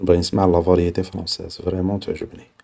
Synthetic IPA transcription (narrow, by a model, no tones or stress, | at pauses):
əbʁinəsmaʕlɑvɑɾjet̪efɾɑ̰̃sɛ̰zvɾɛmɑ̃t̪əʕʒəbni